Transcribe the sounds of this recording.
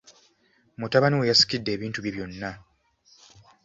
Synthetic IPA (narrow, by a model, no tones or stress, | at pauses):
mutaβaniwejasi̥kidːe̞ːβiːntuβjiβjo̞nːa